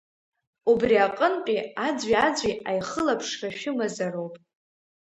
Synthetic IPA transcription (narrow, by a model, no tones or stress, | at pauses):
ubriaqʼənqʲʼiad͡zʷɥiad͡zʷiajχəlapʰʂraʃᶣʊmazarowpʼ